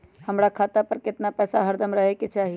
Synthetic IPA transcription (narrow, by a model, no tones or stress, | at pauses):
həmɾakʰaːt̪apəɾkɪt̪napɛːsaɦəɾd̪əmɾəɦeket͡ʃaːɦi